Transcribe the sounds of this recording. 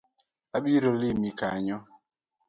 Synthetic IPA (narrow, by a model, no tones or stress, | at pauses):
aɓiɾolimika̰ɲɔ